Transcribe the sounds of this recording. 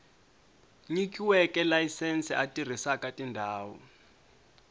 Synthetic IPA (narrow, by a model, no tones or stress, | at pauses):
ɲikʼiwɛkʼɛlajisɛnt͡sʼɛʔatʼir̤isakʼatʼindʱaːwɔ̰